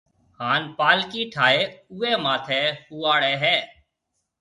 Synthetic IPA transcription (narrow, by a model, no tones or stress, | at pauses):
haːnpaːlkiːʈʰaːeːuːeːmaːt̪ʰeːhuːaːɽeːɦɛː